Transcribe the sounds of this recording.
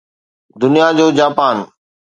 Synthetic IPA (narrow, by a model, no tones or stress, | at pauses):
d̪ʊnijad͡ʑoːd͡ʑaːpaːn